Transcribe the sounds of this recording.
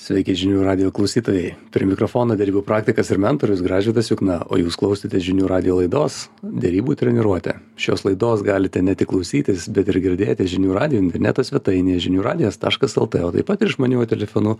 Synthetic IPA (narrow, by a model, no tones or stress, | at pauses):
sʲʋʲɛɪkʲɛɪʒʲɪnʲuːɾɑːd̪ʲɪjoːklˠɐʊsʲiːt̪oːjɛɪpʲɾʲḭɛmʲɪkɾofoːnoːd̪ʲɛɾʲiːbuːpɾɑːk̚t̪ʲɪkɐsɪɾmʲɛnt̪oɾʲʊsɡɾɑːʒʲʊːt̪ɐsjʲʊknɑo̰ːjuːsklˠɐʊsʲɪt̪ʲɛʒʲɪnʲuːɾɑːd̪ʲɪjoːlˠɐɪd̪oːsd̪ʲɛɾʲiːbuːt̪ʲɾʲɛnʲɪɾuɔt̪ʲɛ̰ | ʃoːslˠɐɪd̪oːsɡɑːlʲɪt̪ʲɛnʲɛt̪ʲɪklˠɐʊsʲiːt̪ʲɪsbʲɛt̪ɪɾɡʲɪɾʲd̪ʲeːjt̪ʲɛʒʲɪnʲuːɾɑːd̪ʲɪjoːɪnʲt̪ʲɛɾʲnʲæ̰t̪osʲʋʲɛt̪ɐɪnʲejɛʒʲɪnʲuːɾɑːd̪ʲɪjost̪ɑ̰ːʃkɐsɛlˠt̪eoːt̪ɐ̰ɪpɐt̪ɪɾɪʃmɐnʲuːjt̪ʲɛlʲɛfonʊ